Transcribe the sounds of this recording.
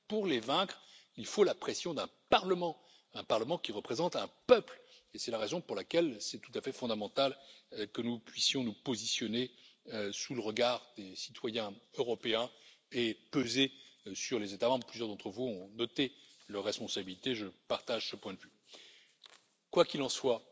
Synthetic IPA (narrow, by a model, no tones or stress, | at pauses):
puʁlevɛ̃kχilfolapχesjɔ̃d̪ɛ̃paʁləmɑ̃ | ɛ̃paʁləmɑ̃kʲiʁəpχezɑ̃t̪ɛ̃pœplesɛlaʁezɔ̃puʁlakʲɛlsɛt̪u̥t̪afɛfɔ̃d̪amɑ̃t̪alkənupɥisjɔ̃nupozisjɔneøsuləʁəɡaʁd̪esi̥t̪wajɛ̃øʁɔpeɛ̃epøzesyʁlezet̪amɑ̃bʁplyzjœʁd̪ɑ̃t̪χəvuɔ̃nɔt̪elœʁːɛspɔ̃sabilit̪eʒəpaʁt̪aʒsəpwɛ̃d̪əvy | kwakʲilɑ̃swa